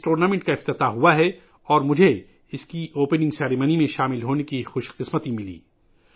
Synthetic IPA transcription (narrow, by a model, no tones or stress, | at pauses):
ʈoːɾnaːmẽɳʈkaɪft̪ɪt̪aɦuaɦɛ | ɔːɾmʊd͡ʒʱe | ɪskioːpənɪ̃ŋɡsɛːɾimənimẽʃaːmɪlɦoːnekixʊʃqɪsmət̪imɪlḭː